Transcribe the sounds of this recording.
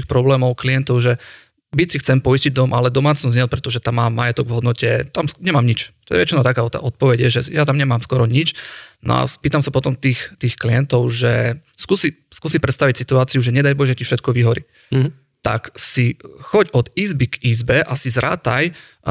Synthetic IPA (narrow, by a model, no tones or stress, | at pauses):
ixpɾɔblɛːmɔʊklijɛnt̪ɔʊʒɛ | bicsixt͡sɛmpɔisciɟ̚d̪ɔmʔalɛd̪ɔmaːt͡snɔzɲɛpɾɛt̪ɔʒɛt̪amːaːmːajɛt̪ɔɡʋɦɔd̪nɔcɛt̪amɲɛmaːmɲit͡ʃt̪ɔjɛʋɛ̰t͡ʃinaʊt̪akaːɔt̪a̰ːʔɔt̪̚pɔʋɛɟjɛʒɛjat̪amɲɛmaːmskwɔɾɔɲit͡ʃnɔ̰a̰spiːt̪amsapɔt̪ɔmt̪iːxt̪iːxklijɛnt̪ɔʊʒɛskusiskuːsipɾɛt̪st̪aʋicsit̪uaːt͡siuʒɛɲɛd̪ajbɔʒɛcifʃɛt̪̚kɔʋiɦɔɾi | t̪a̰ksixɔɟɔd̪iːzbiɡiːzbɛʔasizɾa̰ːt̪aj